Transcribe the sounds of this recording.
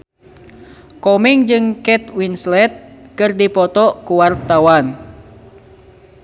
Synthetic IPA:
kɔmiŋd͡ʒɨŋkɛt̪winslɛt̪̚kɨrdipɔt̪ɔkuwart̪awan

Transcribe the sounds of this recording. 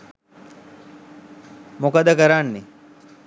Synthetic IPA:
mokəd̪əkəɾanːi

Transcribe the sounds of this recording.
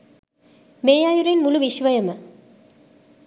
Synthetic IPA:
meːjaːjuɾɐnmuluʋiɕʋɐjɐmɐ

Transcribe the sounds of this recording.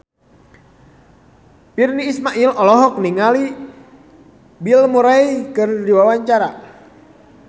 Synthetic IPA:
pirniːsmaʔilɔlɔɦɔk̚niŋali | bilmuɾaikɨrdiwawaɲt͡ʃaɾa

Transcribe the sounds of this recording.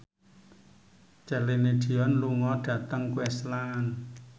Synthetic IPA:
t͡ʃɛlenediɔnluŋɔɖ̥a̤t̪aŋkwɛslan

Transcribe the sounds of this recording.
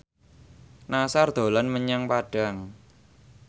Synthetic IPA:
nasard̪̥o̤lanməɲaŋpaɖ̥a̤ŋ

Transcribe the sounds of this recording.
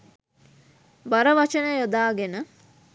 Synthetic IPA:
baɾəʋat͡ʃənəjod̪aːɡenə

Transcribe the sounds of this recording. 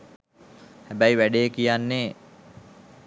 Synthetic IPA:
hæbæjʋæɖeːkijanːeː

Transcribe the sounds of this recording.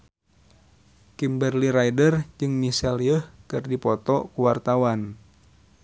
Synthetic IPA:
kimbərliɾaidərd͡ʒɨŋmisɛlijəhkɨrdipɔt̪ɔkuwart̪awan

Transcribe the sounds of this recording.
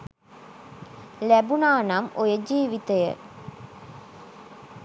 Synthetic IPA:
læbunaːnamojəd͡ʒiːʋit̪əjə̰

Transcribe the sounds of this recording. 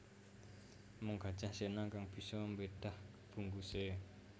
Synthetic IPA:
mʊŋɡ̥a̤d̥d͡ʒ̥ahsenakaŋb̥i̤sɔmbed̥ah | b̥ṳŋɡuse

